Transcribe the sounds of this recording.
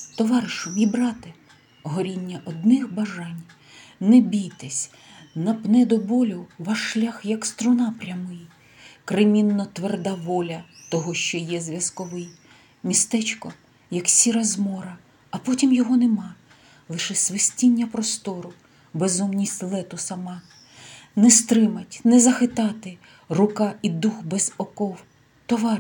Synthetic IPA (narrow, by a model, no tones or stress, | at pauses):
t̪ɔʋɑɾɪʃʊmibɾɑt̪ɪ | ɦɔɾʲinʲːɐʔɔd̪nɪxbɐʒɑnʲ | nɛbʲijt̪ɛsʲ | nɐpnɛd̪ɔbɔlʲʊʋɑʃːlʲaxjɐkst̪ɾʊnɑpɾʲɐmɪj | kɾemʲinːɔt̪ʋerd̪ɑʋɔlʲɐt̪ɔɦɔʃt͡ʃɔjɛzʲʋʲjɐskɔʋɪj | mʲist̪ɛt͡ʃkɔ | jɐksʲiɾɐzmɔɾɐ | ɐpɔtʲimjɔɦɔnemɑ | lˠɪʃɛsʋɪsʲtʲinʲːɐpɾɔst̪ɔɾʊ | bezumnʲisʲtʲlˠɛt̪ʊsɐmɑ | nɛst̪ɾɪmɐtʲnɛzɐxɪt̪ɑt̪ɪ | rʊkɑid̪uxbɛzɔkɔw | t̪ɔʋɑr